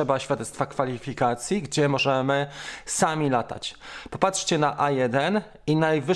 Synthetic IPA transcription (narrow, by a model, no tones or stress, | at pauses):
ɛbaɕfʲjad̪ɛt̪st̪fakfalʲifʲikat̪sʲjiɡd͡ʑɛmɔʐɛmɘsamʲilat̪a̰t͡ɕpɔpatʂt͡ɕɛnaʔajɛd̪ɛn | inajvɘ